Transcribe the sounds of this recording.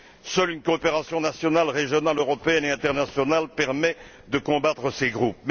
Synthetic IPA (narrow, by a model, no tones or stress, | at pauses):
sœlynkoːpeʁasjɔ̃nasjɔnalʁeʒjɔnaløʁɔpeɛneɛ̃t̪ɛʁnasjɔnalpɛʁmɛ | d̪əkɔ̃bat̪χəseɡʁup̚m